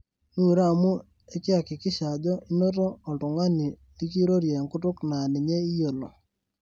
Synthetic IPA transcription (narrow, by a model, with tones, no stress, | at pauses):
nu˦˨ɾaː˦˨mu˦ | e˦kɪ˦a˨kɪ˨kɪ˦ʃa˨d͡ʒɔ˦ɪ˦no˦toː˦˨tʊ˨ŋa˦ni˨ | i˦ki˦ɾo˦ɾje˨ŋkʊ˦tʊ˦kna˨nɪ˨ɲe˦i˦jo˨lo̰˨